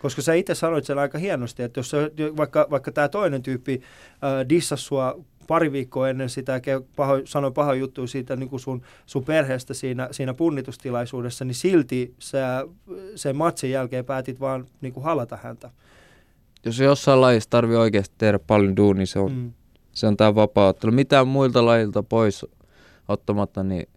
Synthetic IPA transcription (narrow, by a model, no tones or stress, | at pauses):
koskɑsæːit̪essɑnoit̪senɑikɑhiɑnost̪iet̪ːjossejoʋɑikːɑʋɑikːɑt̪æːt̪oinent̪yːpːi | øːdisːɑsːuɑ | pɑriʋiːkːoːenːensit̪ækepɑhosɑnopɑhɑjut̪ːuisiːt̪æniŋkusun | sumperheːst̪æsiːnæsiːnæpunːit̪ust̪ilɑisuːdesːɑnisilt̪isæ | semmɑt̪sejjælkeːpæːt̪it̪ʋɑːnniːŋkuhɑlɑt̪ɑhæ̰nt̪æ | josjosːɑilɑjist̪t̪ɑrʋioikeːst̪i̥t̪ehɾæppɑljonduːnniseon | seont̪æːʋʋɑpɑːot̪ːelumit̪æːmmuilt̪ɑlɑjilt̪ɑpois | ot̪ːɑmɑt̪ːɑnḭ